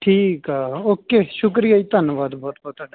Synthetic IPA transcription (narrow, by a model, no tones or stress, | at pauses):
ʈʰiːkɦaoːkeːʃʊk̬ɾijait̪ɐnʋaːt̪bɔːt̪bɔːt̪ɐʈ